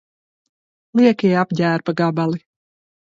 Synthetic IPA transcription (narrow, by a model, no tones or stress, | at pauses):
lˠiɛkijapɟæːɾbaɡabalˠi